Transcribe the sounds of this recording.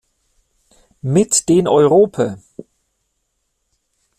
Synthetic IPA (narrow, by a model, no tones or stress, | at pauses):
mɪtd̥eːnʔɔʏʁoːpʰɐ